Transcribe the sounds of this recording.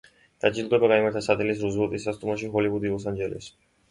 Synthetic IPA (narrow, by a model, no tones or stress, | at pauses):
d̪̥ad͡ʒilɡ̪ɛbaɡaimaɾt̪ʰasat̪ʰɛlisɾuzvɛlˠt̪ʼisːast̪ʼumaʃ̬iɦɔlivud̪iɔs̬and͡ʒɛlɛ̰s